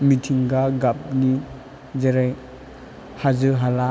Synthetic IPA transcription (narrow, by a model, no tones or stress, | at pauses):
mitʰiŋɡaɡap̚ni | d͡ʒeɾaj | hazɯɦala